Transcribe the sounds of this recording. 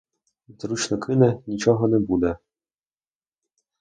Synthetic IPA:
t̪ɾut͡ʃnɔkʰɪnɛnʲit͡ʃɔɦɔnɛbud̪ɛ

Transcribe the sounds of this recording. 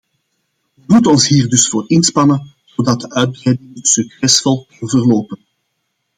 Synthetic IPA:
əmutəɔnsɦiːrdɵsfoːrɪnspɑnən | z̥odɑt̚dəʔœɥd̚brɛjdɪŋəsyksɛsfɔlˠknvərloːpən

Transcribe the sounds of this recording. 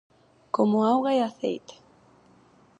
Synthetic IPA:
komʊawɣaeaθḛjt̪e̥

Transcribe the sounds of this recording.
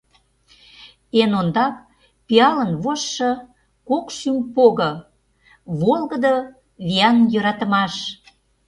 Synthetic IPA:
enond̪ɑp̚ | piɑlənβoʃːɤ | kokʃympoɣə̆ | βolɣə̆d̪ə | βiɑnjøɾɑt̪ə̆mɑʃ

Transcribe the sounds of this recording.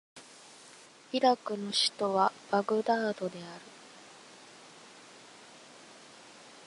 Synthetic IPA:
iɾakɯ̟no̞ɕi̥t̪o̞βab̥aɡɯ̟d̪aːd̪o̞d̪e̞aɾɯ̟

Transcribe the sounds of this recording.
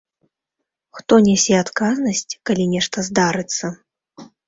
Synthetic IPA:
xt̪ɔnʲɛsʲɛat̪kaznɐsʲt͡sʲkalʲinʲɛʂt̪ɐzd̪aɾɨt̪sːɐ

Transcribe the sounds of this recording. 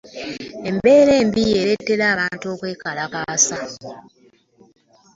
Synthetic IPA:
e̞mbe̞ːɾe̞ːmbijeːɾe̞tːe̞ɾaːβaːntuokweːkalakaːsa

